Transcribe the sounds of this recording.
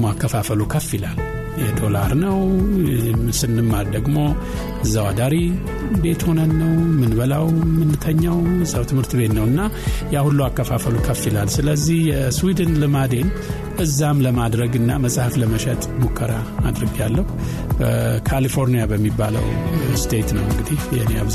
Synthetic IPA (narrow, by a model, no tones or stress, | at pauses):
makːəfafəlukʰəfːilal | jɛd̪ʰo̞la̰ɾnəw | sɨnːɨmːald̪əɡmo̞ | ʔɨzːawad̪aɾi | be̞t̪ho̞nənːəwmɨnbəlawmɨnːɨt̪ʰəɲːawzʼawt̪ʰɨmhɨɾt̪ʰbe̞t̪nəwɨnːajahulːuakːəfafəlukʰəfːilalsɨləzːihjɛswid̪ɨnlɨmad̪e̞n | ʔɨzːamləmad̪ɾəɡɨnːa̰məsʼhafləməʃɛt̪ʼmukʰːəɾa | mad̪ɾəɡjalːəhu | b̥əkʰalifo̞ɾnijabəmːibːalə̰wst̪ʰet̪nəwɨŋɡɨd̪ihjɛhneaβz